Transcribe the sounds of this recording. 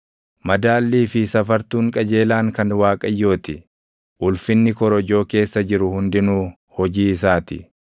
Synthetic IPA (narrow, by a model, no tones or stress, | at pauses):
mɐd̪aːlːiːfɪsɐfɐɾt̪uːŋkʼɐd͡ʒe̞ːlaːŋkɐnwaːkʼɐjːo̞ːt̪ɪ | ʔʊlfɪnːɪkɔɾɔd͡ʒo̞ːke̞ːsːɐd͡ʒɪɾʊhʊnd̪ɪnuː | hɔd͡ʒiːɪsaːt̪ɪ̰